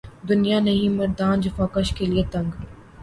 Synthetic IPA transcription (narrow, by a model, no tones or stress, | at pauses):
d̪ʊnijanɐɦĩmɐɾd̪aːnd͡ʒɐfaːkɐʃkeliet̪ɐ̃ŋɡ